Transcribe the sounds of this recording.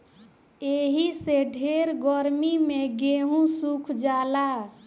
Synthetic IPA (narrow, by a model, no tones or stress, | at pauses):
eɦiseɖʱeɾɡɔɾmimeɡeɦũsukʰd͡ʒala